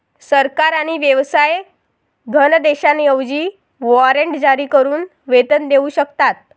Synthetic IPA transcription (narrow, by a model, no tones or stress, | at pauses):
səɾkaɾaɽ̃iʋjəʋsaj | ɡʱənd̪eɕanjəʋd͡ʑiː | ʋɔɾəɳʈd͡ʑaɾiːkəɾuːn | ʋet̪ənd̪euɕəkt̪at̪̚